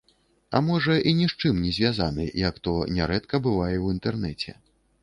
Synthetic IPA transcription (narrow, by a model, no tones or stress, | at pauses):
ɐ̰mɔʐɐʔinʲiʂt͡ʂɨmnʲɛzʲvʲazanɨ̰jɐkt̪ɔnʲɛɾɛt̪kɐbɨvajɛwint̪ɛrnɛt͡sʲɛ̰